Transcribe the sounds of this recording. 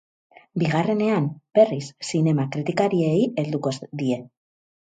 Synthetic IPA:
biɣ̞are̞ne̞amb̥e̞risːine̞makɾit̪ikaɾie̞je̞ld̪uko̞sd̪ie̞

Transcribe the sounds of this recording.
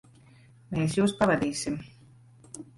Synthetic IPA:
meːsjuːspavad̪iːsim

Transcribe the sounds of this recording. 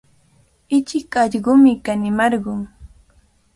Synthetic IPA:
ɪt͡ʃɪkɑʎɢʊmɪkanɪmɑɾɢʊŋ

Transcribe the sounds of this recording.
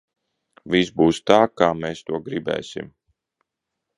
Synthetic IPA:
visbuːst̪aːkaːmeːst̪uɔɡɾibɛ̰ːsḭm

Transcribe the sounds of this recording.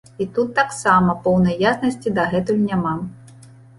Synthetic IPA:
it̪ut̪ːaksamɐpɔwnɐjjasnɐsʲt͡sʲid̪ɐɣɛt̪ujunʲama

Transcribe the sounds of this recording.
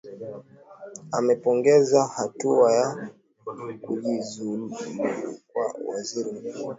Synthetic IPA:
amɛpɔŋɡɛzahatuaja | kuʄizul | kwa̰wa̰ziɾim̩kuɔ

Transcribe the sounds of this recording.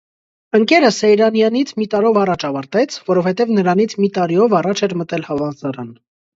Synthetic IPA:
əŋkɛɾəsɛjɾɑnjɑnit͡sʰmit̪ɑɾɔvɑrɑt͡ʃʰɑvɑɾt̪ɛt͡sʰvɔɾɔvhɛt̪ɛvnəɾɑnit͡sʰmit̪ɑɾiɔvɑrɑt͡ʃʰɛɾmət̪ɛlhɑvɑnzɑɾɑn

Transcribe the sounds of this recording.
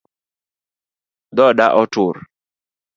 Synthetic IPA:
d̪ɔɗaʔɔtuɾ

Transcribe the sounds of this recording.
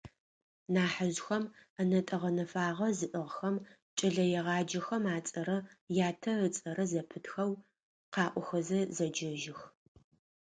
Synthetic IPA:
naːħaʑxɐmɐnɐtʼɐʁɐnɐfaːʁɐzɨʔɨʁxɐm | t͡ʃʼɐɮɐjɛʁɑːd͡ʒɐxɐmaːt͡sʼɐɾɐjaːtʰɐət͡sʼɐɾɐzɐpʰɨtxɐw | qɑːʔʷʊxɐzɐzɐd͡ʒɐʒɪx

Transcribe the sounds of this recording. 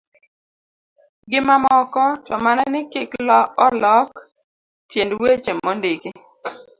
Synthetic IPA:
ɡɪmamɔkɔtɔmananɪkɪklɔɔlɔk | tjendwet͡ʃemːɔndiki

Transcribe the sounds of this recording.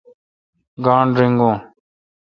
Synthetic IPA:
ɡaːɳɾɪŋɡõː

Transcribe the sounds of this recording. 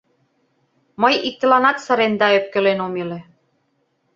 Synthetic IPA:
məjik̚t̪ĕlɑnɑt̪sɤ̆ɾend̪ɑøp̚kĕlenomelĕ

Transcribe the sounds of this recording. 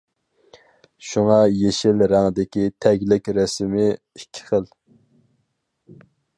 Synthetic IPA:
ʃuŋɑjeʃɪlɾæŋəd̪ɪkʲit̪ʰɛɡʲlɪkʲɾɛsɪmɪ | ikʲʰːi̥χəl

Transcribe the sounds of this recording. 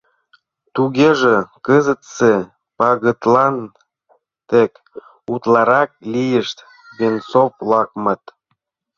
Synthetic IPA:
t̪uɣeʒekəzə̆t̪se | pɑɣət̪lɑn | t̪ek | ut̪lɑɾɑk̚lijəʃt̪ | βensoplɑk̚mɤt̪

